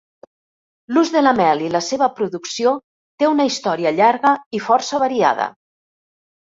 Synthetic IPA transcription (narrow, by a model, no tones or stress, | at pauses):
luzðələmɛliləseβəpɾuðuksio | t̪eunəist̪ɔɾiəʎaɾɣəifɔrsəβəɾia̰ðə̰